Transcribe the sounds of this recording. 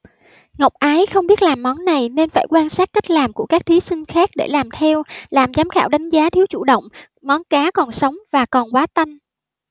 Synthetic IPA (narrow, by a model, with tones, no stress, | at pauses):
ŋə˨˩wk͡p̚ʔaː˨˦jxə˧wŋ͡mɓi˦˥ət̚laː˨˩mːɔ˨˦nːa˨˩jne˧nfaː˧˩jkwaː˧nsaː˦˥t̚kə˦˥k̟̚laː˨˩mku˧˩əkaː˦˥k̚t̪ʰi˨˦sï˧ŋ̟xaː˦˥k̚ɗḛ˧˩laː˨˩mt̪ʰɛ˧wlaː˨˩mzaː˨˦mxaː˧˩wɗa˨˦jŋ̟zaː˨˦t̪ʰi˨˦wt͡ɕṵ˧˩ɗə̰˧˨wŋ͡m | mɔ˨˦nkaː˨˦kɔ˨˩nsə˨˦wŋ͡mvaː˨˩kɔ˨˩nkwaː˨˦t̪a˧jŋ